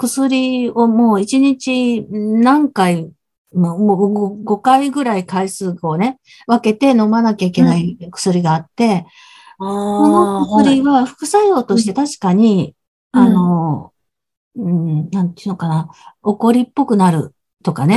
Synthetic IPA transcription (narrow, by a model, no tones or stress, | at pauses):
kɯ̟sɨɾʲio̞mo̞ːit͡ɕiɲit͡ɕinãŋkai | moɡo̞kaiɡɯ̟ɾaikaisɨːɡoːne̞ | βake̞t̪e̞no̞manakʲaikʲe̞naikɯ̟̥sɨɾʲiɡaːt̪ːe̞ | ko̞no̞kɯsɨɾʲiβaɸɯ̥kɯ̟saio̞ːt̪o̞ɕi̥t̪e̞t̪aɕi̥kaɲ̟i | ano̞ | ɯ̃nãnt̪iɯnokanaoko̞ɾʲipːo̞kɯ̟naɾɯ̟̰ | t̪o̞kane̞